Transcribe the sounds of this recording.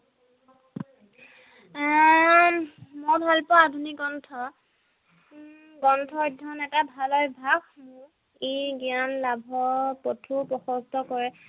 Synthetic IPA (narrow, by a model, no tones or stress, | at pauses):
mɔɹbʱalpɔadʱunikɡɔntʰɔ | ɡɔntʰɔdʱɔnɛtabʱalɔjbʱakmʊ | iɡianlabʱɔpɔtʰupɹɔxɔstɔkɔɹɛ